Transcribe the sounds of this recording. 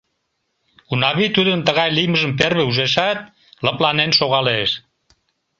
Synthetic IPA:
unɑβit̪ud̪ənt̪əɣɑjlijməʒəmperβeuʒeʃɑt̪̚ | ləplɑnenʃoɣɑleʃ

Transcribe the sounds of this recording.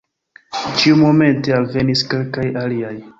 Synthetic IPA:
t͡ʃiumo̞me̞nte̞alve̞niske̞lkajaliaj

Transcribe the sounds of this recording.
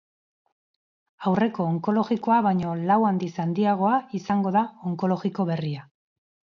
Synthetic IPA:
awre̞ko̞ːŋko̞lo̞ɣiko̞aβajɲo̞lawand̪isand̪iaɣ̞o̞aisaŋɡo̞ðaoŋko̞lo̞ɣiko̞βe̞ria

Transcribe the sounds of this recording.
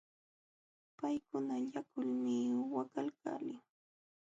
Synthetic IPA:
pajkʊnaʎakʊlmɪwakalka̰ːlɪŋ

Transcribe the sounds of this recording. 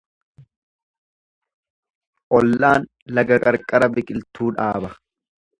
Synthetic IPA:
ʔɔlːaːn | lɐɡɐkʼɐɾkʼɐɾɐbɪkʼɪlt̪uːᶑaːbɐ

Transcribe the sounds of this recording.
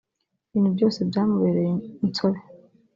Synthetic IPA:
βiːn̥hubjo̞ːse̞bjaːmuβeɾejeint͡soβe

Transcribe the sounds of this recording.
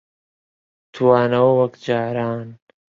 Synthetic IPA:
t̪ʰuwaːnɐwɐwɐkd͡ʒaːɾaːn

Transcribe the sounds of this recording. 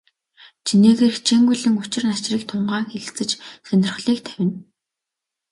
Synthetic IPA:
t͡ɕʰineːɣeːrxt͡ɕʰeːŋɡuɮɘ̆ŋʊt͡ɕɪ̆rnat͡ɕriːk̚t̪ʰʊɴɢaːŋxeɮt͡sɘ̆t͡ɕsœnʲɪ̆rχɮiːk̚t̪ʰæwʲɪ̆n

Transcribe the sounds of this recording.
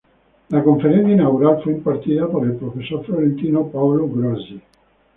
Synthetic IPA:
lakoɱfeɾɛnd̪inawuɾalfuimpart̪iːt̪apaɾilpɾofesːoɾfloɾent̪iːnopaoloɡɾɔzi

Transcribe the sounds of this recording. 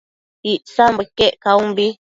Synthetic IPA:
iʔsambɨkeʔkaumbi

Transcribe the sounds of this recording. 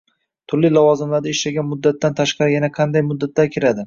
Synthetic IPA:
t̪ʰʊɾlilɒvɒzɪmlaɾd̪aɪʃlaɡʲanmʊd̪ːat̪ʰːant̪ʰaʃqɑɾɪjanaqʰɑnd̪ajmʊd̪ːat̪laɾkʲʰɪɾad̪ɪ

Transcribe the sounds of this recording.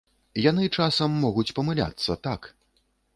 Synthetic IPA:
janɨt͡ʂasɐmːɔɣut͡sʲpɐmɨlʲa̰t̪sːɐt̪ak

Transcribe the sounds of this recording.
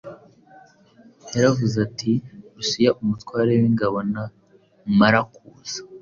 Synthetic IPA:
aɾavuzatʰiɾusijaʔumutwaːɾewiŋɡaβo̞na | maɾakuːz̥ḁ

